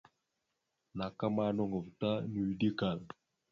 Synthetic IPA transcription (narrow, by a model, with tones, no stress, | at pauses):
na˨ka˦ma˦nɔ˦˨ŋɡo˨vta˦ni˨wi˨di˦ka˨l